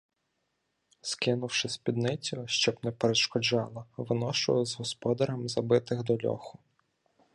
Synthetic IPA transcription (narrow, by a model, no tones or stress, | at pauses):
skɪnʊwʃɪspʲid̪nɪt͡sʲɔʃt͡ʃɔbnɛpeɾeʃkɔd͡ʒɑlˠɐʋɪnɔʃʊjˠɪzɦɔspɔd̪ɐɾɐmzɐbɪt̪ɪɣd̪ɔlʲɔ̰xʊ